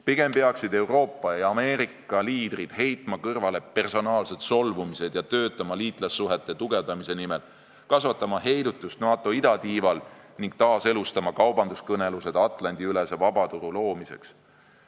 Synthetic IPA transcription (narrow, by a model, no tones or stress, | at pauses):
piɡ̥e̞mpeɑksid̪e̞wro̞ːpːˑɑjɑɑme̞ːɾikːˑɑliːd̪̥rid̪̥he̞jt̪ˑmɑkɤrvɑle̞pe̞rso̞nɑːlse̞d̪̥so̞lvumise̞d̪̥jɑt̪ø̞ːt̪ːˑɑmɑliːt̪ˑlesːuɦe̞t̪ːˑe̞t̪uɡ̥e̞vd̪̥ɑmise̞nimel | kɑsvɑt̪ːˑɑmɑhe̞jd̪ut̪ːˑust̪nɑːt̪ːˑo̞id̪ɑt̪iːvɑlniŋɡ̥̚t̪ɑːse̞lust̪ɑmɑkɑwbɑnd̪uskɤne̞luse̞d̪̥ɑt̪ˑlɑnd̪iylesevɑbɑt̪uɾulo̞ːmise̞̰ks